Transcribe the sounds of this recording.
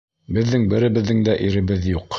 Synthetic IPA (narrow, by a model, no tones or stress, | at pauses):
bɘ̆ðːɘŋbɘ̆ɾɘ̆βɘ̆ðːɘŋd̪æʔiɾɘ̆βɘðjuq